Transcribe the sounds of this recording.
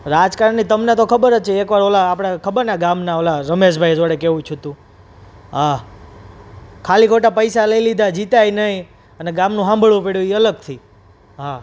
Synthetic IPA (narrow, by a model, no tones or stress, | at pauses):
ɾad͡ʒkaɾəɳnːit̪əmnet̪okʰəbəɾət͡ʃʰeekʋaɾolaːpɽ̃akʰəbəɾnaɡamnaolaɾəmeʃbʱajd͡ʒoɽekeʋũt͡ʃʰut̪ũ | ɦa | kʰalikʰoʈapəjsaləilid̪ʱad͡ʒit̪ajnəĩ | əneɡamnũɦãmbʱəɭũpeɽjuiələɡ̚t̪ʰi | ɦa